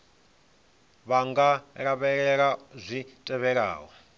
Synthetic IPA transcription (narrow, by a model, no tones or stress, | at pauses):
βaŋɡaɺaβɛɺɛɺazʷitʼɛβɛɺa̰ːwɔ